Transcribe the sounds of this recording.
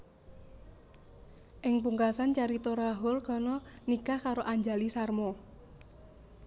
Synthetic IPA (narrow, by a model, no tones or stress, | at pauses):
ʔɪŋpuŋkasant͡ʃaɾit̪oɾaɦʊlkɔnɔnikakaɾoʔaɲd͡ʒalisarmɔ